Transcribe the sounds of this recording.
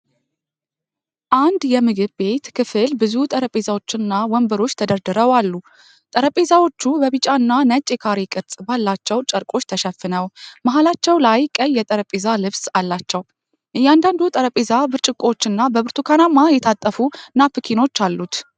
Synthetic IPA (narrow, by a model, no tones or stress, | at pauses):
ʔand̪jɛmɨɡɨβbe̞t̪kʰɨfɨlbɨzut̪ʼəɾəpʼezawo̞t͡ʃːɪnːawɔmbəɾo̞t͡ʃːt̪ʰəd̪əɾd̪ɨɾəwalːu | t̪ʼəɾəpʼezawo̞t͡ʃːubəβɨt͡ʃʼaɨnːanət͡ʃʼːekʰaɾikʼɨɾt͡sʼbalːat͡ʃːɛwt͡ʃʼəɾkʼo̞t͡ʃːt̪ʰəʃɛfːɨnəwmaɦalat͡ʃːɛwlajkʼəjːɛt̪ʼəɾəpʼezalɨβsalːat͡ʃːɛw | jɛand̪and̪ut̪ʼəɾəpʼezabɨɾt͡ʃʼɨkʼo̞t͡ʃːɨnːabəβɨɾt̪ʰukʰanamajɛt̪ʰat̪ʼːəfunːapʰɨkʰino̞t͡ʃːalːut̪